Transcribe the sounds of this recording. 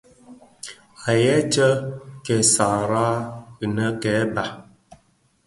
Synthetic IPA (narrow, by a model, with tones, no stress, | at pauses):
a˨jɛ˦t͡ʃə˦kɛ˨sa˨ɾa˦ə˨nə˦kɛ˨˦ba˨